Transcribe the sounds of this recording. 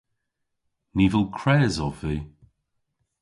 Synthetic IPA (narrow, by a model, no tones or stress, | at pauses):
niːvəlˠkʰɹɛːzɔviː